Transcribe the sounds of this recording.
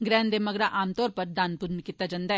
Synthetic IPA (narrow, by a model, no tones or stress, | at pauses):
ɡɾɛ̃ːnd̪eːməɡɾaʔaːmt̪ɔːɾpəɾd̪aːnpʊɾmkɪt̪ːad͡ʒãnd̪a